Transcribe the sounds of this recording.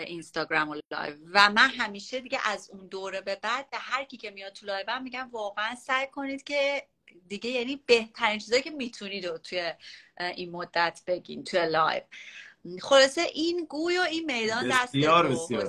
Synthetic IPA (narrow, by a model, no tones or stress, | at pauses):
ʔinst̪ɒːɡɾæmolɒ̰ːjvːæmænɦæmiːʃe̞d̪iɟḛʔæzund̪oːɾebe̞bæd̪̥̚behæɾcʰiːcʰe̞mijɒd̪̚t̪ʰːulɒjbæmmːiɟæmvɒːɣeænsæjkʰo̞niːd̪̥cʰe̞ | d̪iɟe̞jænibe̞ht̪ʰæɾiːnt͡ʃʰizɒːjcʰemiːt̪ʰuniːd̪ot̪ʰujeʔinmo̞d̪ːæt̪ʰb̥e̞ɟḭːnt̪ʰujelɒ̰jv | χo̞lɒːse̞ʔiːnɡuːjoiːnme̞jd̪ɒːnd̪æsːɾesj